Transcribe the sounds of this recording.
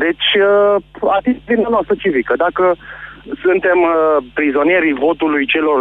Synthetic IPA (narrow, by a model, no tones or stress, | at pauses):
d̪e̞t͡ʃʲəat̪it̪vimnanoast̪ɾət͡ʃivikəd̪akəsunt̪e̞mpɾizo̞nije̞ɾijvo̞t̪ulujt͡ʃe̞lo̞r